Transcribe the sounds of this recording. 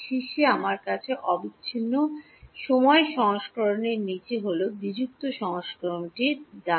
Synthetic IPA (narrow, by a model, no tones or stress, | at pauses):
ʃiʃeamaɾkat͡ɕʰeʔɔbiɕʰinːo | ʃomɔeʃɔŋoʃkɔɾoneɾnit͡ɕeɦolod̪id͡ʑuk̚t̪oʃɔŋoʃkɔɾonʈid̪a